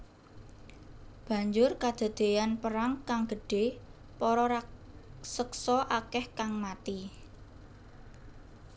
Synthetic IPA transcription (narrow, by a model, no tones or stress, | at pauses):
b̥a̤ɲd͡ʒʊrkad̪̥a̤d̪̥e̤janpəɾaŋkaŋɡə̤ɖ̥e̤ | pɔɾɔɾ | səksɔʔakɛhkaŋmat̪i